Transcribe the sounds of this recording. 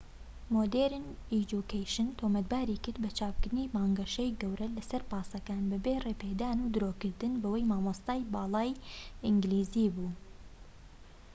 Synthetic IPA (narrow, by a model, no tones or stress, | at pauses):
moːd̪eːɾned͡ʒukʰejʃɨnt̪ʰomɐd̪̚baːɾiːkɨɾd̪bɐt͡ʃʰaːpkɨɾɨniːmɑːŋɡɐʃejɡɐwɾɐlɐsɐɾpɑːsɐkaːnbɨbeːreːpeːd̪aːnuːd̪ɨɾoːkɨɾd̪ɨnbɐwɐjmaːmost̪aːjbɑːlˠɑːjɪŋɡliːziːbuː